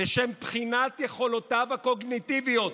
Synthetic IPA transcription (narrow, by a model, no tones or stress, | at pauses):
eʃempχinat̪jeχo̞lotavako̞ɡnit̪ivijot